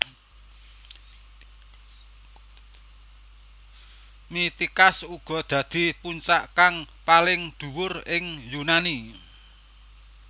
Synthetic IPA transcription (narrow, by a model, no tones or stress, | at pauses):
mit̪ikasuɡ̥ɔ̤d̪̥ä̤d̪̥i̤puɲt͡ʃaʔkaŋ | palɪŋd̪̥ṳwʊrɪŋjunani